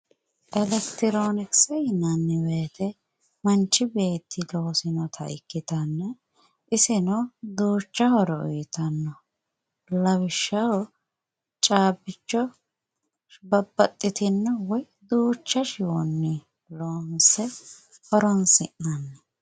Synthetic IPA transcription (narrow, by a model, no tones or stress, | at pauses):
ʔɛlɛkt̪ɪɾo̞ːnɪksɛjɪnɐnːɛweːt̪ɛ | mɐnt͡ʃːɪbe̞ːt̪ʰːɪlo̞ːsɪnɔt̪ʰɐ̰ʔɪ̰kːɪt̪ɐnːɛ | ʔɪsɛnɔd̪uːt͡ʃːɐhɔɾɔʊjt̪ɐnːɔ | lɐwɪʃːɐwɔ | t͡ʃʼaːbːɪt͡ʃːɔ | bɐbːɐt̪ʼːɪt̪ɪnːɐwɔj | d̪uːt͡ʃːɐʃɪwɔnːɪ | lo̞ːnsɛ | hɔɾɔnsɪʔːɐnːɛ